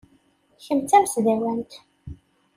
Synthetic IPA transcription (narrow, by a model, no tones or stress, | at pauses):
çəmt͡s̪æmsðæwænt̪